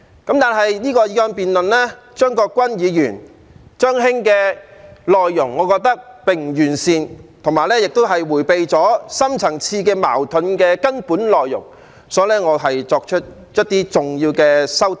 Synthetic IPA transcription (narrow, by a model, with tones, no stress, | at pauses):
kɐ˨˥mt̪aː˨nɦɐ˨jniː˥kɔː˧jiː˨˥ɔː˧npiː˨nlɵ˨nlɛː˥ | t͡ʃœː˥ŋkɔː˧kːʷɐ˥njiː˨˧jyː˨˩n | t͡ʃœː˥ŋɦɪ˥ŋkɛː˧lɔː˨jːʊ˨˩ŋːɔː˨˧kɔː˧k̚t̪ɐ˥k̚pɪ˨ŋ̩˨˩jyː˨˩nsiː˨nt̪ʰʊ˨˩ŋmaː˨jlɛː˥jɪ˨k̚t̪o˥wɦɐ˨jwuː˨˩jpe˨jt͡sɔː˨˥sɐ˥mt͡sʰɐ˨˩ŋt͡sʰiː˧kɛː˧ma̰ː˨˩wt̪ʰɵ˨˥nkɛː˧kɐ˥npuː˨˥nlɔː˨jːʊ̰˨˩ŋ | sɔː˨˥jlɛː˥ŋɔː˨˧ɦɐ˨jt͡sɔː˧k̚t͡ʃʰɵ˥t̚ | jɐ˥t̚t̪iː˥t͡sʊ˨ŋjiː˧wkɛː˧sɐ˥wt̪